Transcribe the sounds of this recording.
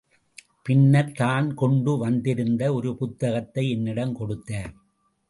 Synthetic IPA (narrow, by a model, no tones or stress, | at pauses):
pɪnːɐɾt̪aːnkɔɳɖɯʋɐnd̪ɪɾɯnd̪ɐɔɾɯpʊt̪ːɐɣɐt̪ːɐɪɛnːɪɽɐmkɔɽɯt̪ːaːɾ